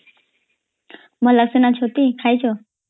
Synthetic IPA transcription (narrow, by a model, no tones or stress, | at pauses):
mələksinat͡ʃʰot̪ikʰajt͡ʃʰo